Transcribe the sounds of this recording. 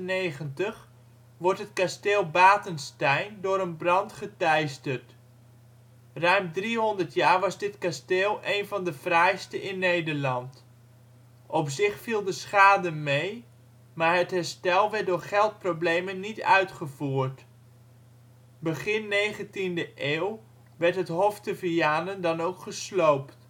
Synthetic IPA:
nejχəntəχ | ʋɔɹtɦətkasteːlˠbaːtənstɛjndʊːɾənbrɑntχətɛjstərt | rœɥmdriɦɔndəɹtjaːɹʋɑzdɪtkasteːlˠʔejnvɑndəv̥rɛjstəʔɪnːejdəɹlɑnt | ʔɔpsɪχfilˠdəsχaːdəmej | maːɹɦətɦɛɹstɛlˠʋɛɹt̚dʊːɹχɛlˠt̚prowblejmənːitœ̰ɥtχəvuːɹt | bəχɪnːejχəntindəʔeːw | ʋɛɹtɦətɦɔftəvijaːnəndɑnowkχəslowpt

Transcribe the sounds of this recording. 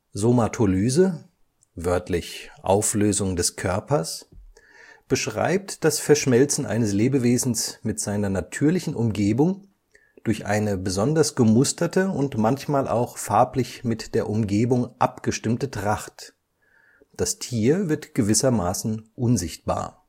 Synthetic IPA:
zomatʰolyːzə | vœɐtʰlɪçʔa̰ʊfløːzʊŋdɛskʰœɐpɐs | b̥əʃʁ̥a̰ɪp̚td̥asfɛɐʃmɛlt͡sn̩ʔa̰ɪnəsleːbəveːzn̩smɪtz̥aɪnɐnatʰyːɐlɪçn̩ʔʊmɡeːbʊŋ | d̥ʊɐçʔa̰ɪnəbəzɔndɐsɡ̥əmʊstɐtəʊntmançmaːlʔa̰ʊxfaɐplɪçmɪtd̥eːɐʔʊmɡeːbʊŋʔapɡ̥əʃtɪmtətʁ̥aχt | d̥astʰiːɐvɪɐtɡ̥əvɪsɐmaːsn̩ʔʊnzɪçt̚b̥a̰ːɐ

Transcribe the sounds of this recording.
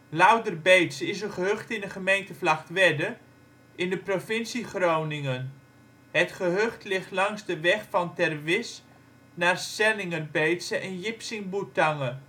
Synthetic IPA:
lawdərbejtsɪs̬ənχəɦøχtɪndəχəmejntəflɑχtʋɛdə | ʔɪndəprofɪnsiχrownɪŋən | ɦətχəɦøχtlɪχtlɑŋsdəʋɛχfɑntɛrʋɪs | naːrsɛlɪŋərbejtsəʔɛnjɪpsɪŋbutaŋə

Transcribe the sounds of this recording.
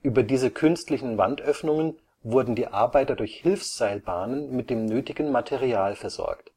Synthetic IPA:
ʔyːbɐdiːzəkʰʏnstlɪçn̩va̰ntʔœfnʊŋən | vʊɐdn̩diːʔaɐbaɪtɐdʊɐçhɪlfsz̥aɪlbaːnənmɪt̚d̥eːmnøːtɪɡn̩matʰɛʁiaːlfɛɐz̥ɔ̰ɐkt

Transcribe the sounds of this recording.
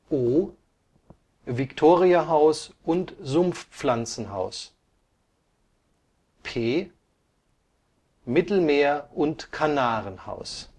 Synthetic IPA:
ʔoː | vɪktʰoːʁiaɦaʊsʔʊntzʊmfp͡flant͡sn̩ɦa̰ʊs | pʰeː | mɪtl̩meːɐʔʊntkʰanaːʁənha̰ʊs

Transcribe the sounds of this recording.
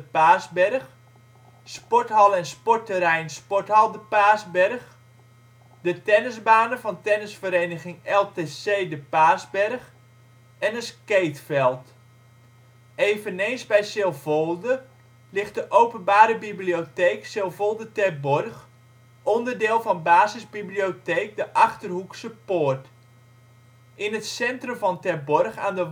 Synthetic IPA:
əpaːzbɛrχ | spɔrtɦɑlˠɛnspɔtəɾɛjnspɔthɑlˠdəpaːzbɛrχ | dətɛnəzbaːnəvɑntɛnəsfəɾejnəχɪŋɛlˠteseːdəpaːzbɛrχ | ɛnətkejtfɛlˠt | eːvəneːnszbɛjsɪlˠvolˠdə | lɪχt̚dəʔowpənbaːɾəbiblioteːksɪlˠvolˠdətɛrbɔrχ | ʔɔndərdɪːlˠvɔnbaːzɪzbiblioteːk̚dəʔɑχtərhuksəpoːrt | ʔɪnətsɛntrəmvɔntɛbɔrxa̰ːndə

